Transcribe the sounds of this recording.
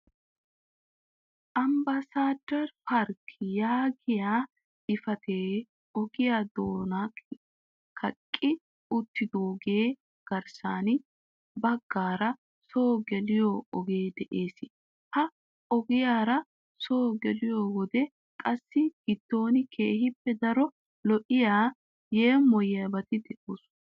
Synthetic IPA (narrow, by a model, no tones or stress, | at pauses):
ʔɐmbɐsaːd̪ɐɾfɐɾkjaːɡɪjḁː | ɪfɐt̪eː | ɔɡɪjaːd̪oːna | kʰɐkʼːɪ | ʊt̪ːɪd̪oːɡe̞ː | ɡ̥ɐɾsaːnɪ | bɐɡːaːɾɐ | soːɡɛlɪjoɔɡeːd̪ɛʔeːsɪ | hɐ | ɔɡɪjaːɾɐ | soːɡɛlɪjoːwɔd̪ɛ | kʼɐsːɪɡ̥ɪd̪̥ːo̞ːnɪkʰeːhɪpːɛd̪ɐɾɔ | lɔʔɪjaː | jeːmɔjɐabɐt̪ɪd̪ɛʔoːs